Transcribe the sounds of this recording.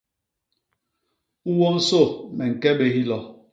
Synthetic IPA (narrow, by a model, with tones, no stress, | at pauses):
u˦wɔ˦n̩˦so˦˨mɛ˨ŋ̩˨kɛ˦be˨hi˦lɔ˨